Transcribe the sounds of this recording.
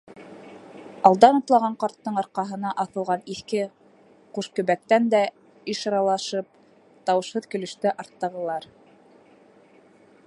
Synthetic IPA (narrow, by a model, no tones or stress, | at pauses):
ɑlˠd̪ɑnɑ̆t̪lˠɑʁɑɴqɑɾt̪ːɤɴɑɾqɑɦɤ̆nɑʔɑθɤ̆lˠʁɑniθkɘ | quʃkɵ̆βæk̚t̪ænd̪æ | iʃɑɾɑlˠɑʃɤp̚ | t̪ɑwɤ̆ʃhɤðkɵ̆lɵ̆ʃt̪æʔɑɾt̪ːɤ̆ʁɤ̆lˠɑɾ